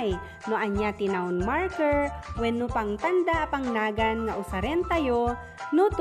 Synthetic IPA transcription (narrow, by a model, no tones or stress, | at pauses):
j | nʊʔɐɲjat̪ɪnaʊnmaɹkɛɹwɛnːʊpaŋt̪and̪aʔpaŋnaːɡanŋaʔʊsaɾɛnt̪ajo | nʊt̪